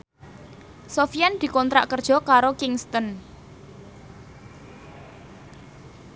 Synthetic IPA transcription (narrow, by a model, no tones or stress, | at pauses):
sofijand̪̥i̤kɔnt̪ɾa̰ʔkərd̥ʒ̥ɔ̤kaɾokiŋst̪ɔn